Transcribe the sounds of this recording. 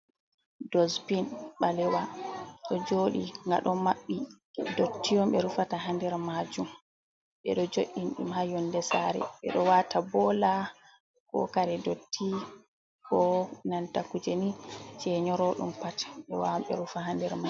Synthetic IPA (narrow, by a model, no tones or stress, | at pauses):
dɔspinɓalɛwaɗɔd͡ʒoːɗiŋɡa̰ɗɔmaɓːi | dotːijɔmɓɛɾufataɦandɛɾmad͡ʒum | ɓɛ̰ɗɔd͡ʒoʔinɗḭmhajɔndɛsaɾɛ̰ɓɛ̰ɗɔwatabɔla | kɔ̰kaɾɛdotʰːi | kɔnantakud͡ʒɛnit͡ʃɛɲɔɾɔɗṵmpatɓɛwamɓɛ̰ɾufaɦandɛɾma